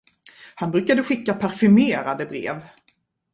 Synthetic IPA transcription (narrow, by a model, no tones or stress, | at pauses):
hanbɾʉ̟ːkad̪əɧɪkːapʰæɾfɵmeːɾad̪əbɾḛːv